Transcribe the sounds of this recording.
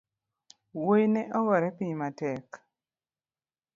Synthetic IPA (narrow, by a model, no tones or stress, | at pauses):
wojnɛʔɔwɔɾɛpiɲmatɛk